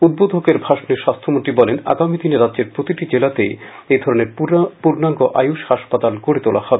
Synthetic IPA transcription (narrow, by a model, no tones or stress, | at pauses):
ud̪̚bod̪ʱokeɾbʱaʃoneɾʃast̪ʰomonʈɾibɔlena̰ɡamid̪ineɾadːd͡ʑeɾpɾot̪iʈid͡ʑelat̪ḛjejd̪ʱɔɾoneɾpuɾnaŋɡoʔa̰juʃhaʃpat̪alkoɾet̪ola̰hɔbe